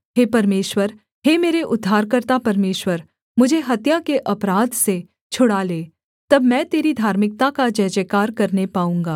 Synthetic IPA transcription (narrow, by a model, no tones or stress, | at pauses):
ɦeːpɐɾmeːʃwəɾ | ɦemeːɾeʔʊd̪ʱːaːɾkɐɾt̪apɐɾmeːʃwəɾ | mʊd͡ʒʱeɦɐt̪jakeʔɐpɾaːd̪se | t͡ʃʰʊɽaleː | t̪ɐbmɛ̃ːt̪eːɾid̪ʱaːɾmɪk̚t̪akad͡ʒɛːd͡ʒekaːɾkɐɾnepaːũːŋɡaː